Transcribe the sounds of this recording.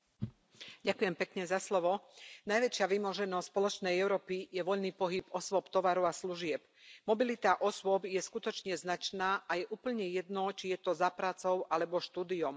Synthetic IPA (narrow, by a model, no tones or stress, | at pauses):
ɟakujɛmpɛkɲɛzaslɔʋɔnajʋɛt͡ʃɪaʋimɔʒɛnɔspɔlɔt͡ʃnɛjɛʊɾɔːpijɛʋɔʎniːpɔɦibɔswɔpt̪ɔʋaɾɔʊasluʒɪɛp | mɔbilit̪aʔɔsʊɔbjɛskut̪ɔt͡ʃɲɛznat͡ʃnaːʔajɛʔuːpl̩ɲɛjɛd̪nɔt͡ʃijɛt̪ɔzapɾaːt͡sɔʊʔalɛbɔʃt̪uːd̪iɔm